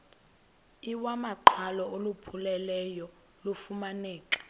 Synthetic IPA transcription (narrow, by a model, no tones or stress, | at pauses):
iwamaǃʰalɔolupʰulɛlɛjɔ | lufumanɛːkʼḁ